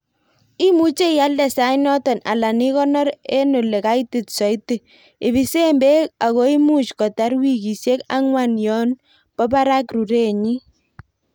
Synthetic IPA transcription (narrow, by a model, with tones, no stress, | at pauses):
i˦mu˦t͡ʃe˦ja˦ldɛ˨sa˦inɔ˦tɔ˨na̰˨la˨ni˦kɔ˦nɔ˦ɾe˦no˨le˨ka˦i˦ti˨tsɔ˨i˦te˨ | ɪ˨βi˨˦se˦mbe˦a˨kɔ˦i˦mu˦t͡ʃkɔ˨ta˦ɾwi˦˨ki˨sje˦ka̰˦ŋwa˨njɔ˦n | b̥ɔ˦ba˦ɾa˦kru˨ɾe˦ɲi˦